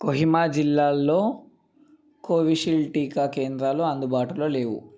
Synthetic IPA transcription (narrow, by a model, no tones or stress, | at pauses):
koɦimaːd͡ʒilːaːlːoː | koːʋiʃilʈiːkaːkeːnd̪ɾaːloːɐnd̪ubaːʈulo̞ːle̞ːʋṵ